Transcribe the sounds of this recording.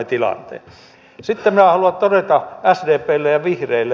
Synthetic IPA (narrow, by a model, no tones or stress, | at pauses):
et̪ilɑ̰nt̪ḛː | sit̪ːeminæhɑluɑt̪t̪odet̪ɑæsdeːpˑeːlːejjɑʋihreilːˑe